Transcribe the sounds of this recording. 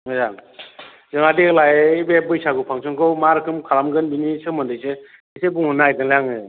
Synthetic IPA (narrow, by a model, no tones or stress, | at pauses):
mɯzaŋ | zɯŋadiklajbebɯjsaɡupʰaŋsʰɯŋkʰɯwmaɾkʰɯmkʰalamɡɯnbinisɯmɯndɯjse | isebuŋɯnajdɯŋlaŋɯ